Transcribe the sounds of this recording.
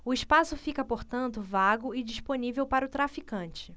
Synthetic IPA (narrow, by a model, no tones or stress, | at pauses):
ʊɪʃpasʊfikɐpoɾt̪ɐ̃nt̪ʊvaɡʊɪd͡ʒiʃponivewpaɾɐʊt̪ɾafikɐ̃t͡ʃɪ